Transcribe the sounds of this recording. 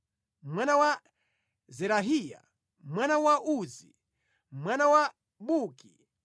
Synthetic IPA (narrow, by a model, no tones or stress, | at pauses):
mwanawa | zɛɾaɦija̰ | mwanawaʔuzḭ | mwanawa | ɓuki